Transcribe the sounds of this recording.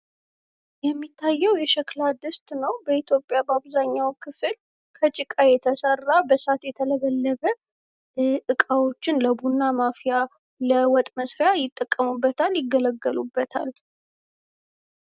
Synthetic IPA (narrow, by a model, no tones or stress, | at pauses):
jɛmːit̪ʰːajːɛwjɛʃɛklad̪ɨst̪nəwbəit̪ʰjo̞pʼːjabəaβzaɲːawkʰɨfɨl | kʰət͡ʃʼɪkʼajɛt̪ʰəsərːabəsat̪jɛt̪ʰələβəlːəβə | ʔɨkʼawo̞t͡ʃːɪnləbunːamafija | ləwɔt̪ʼməsɾejajɪt̪ʼːəkʼːəmubːət̪ʰaljɪɡːələɡːəlubːət̪ʰa̰l